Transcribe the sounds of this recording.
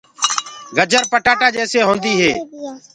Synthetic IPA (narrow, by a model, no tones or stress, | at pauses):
ɡəd͡ʒʱəɾpəʈaːʈaːd͡ʒeːseːɦõːnd̪iːɦeː